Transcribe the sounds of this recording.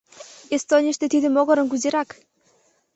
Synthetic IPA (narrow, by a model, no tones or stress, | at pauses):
est̪onʲiʃt̪et̪id̪ɘ̆moɣɤ̆ɾɤ̆nkuzeɾɑk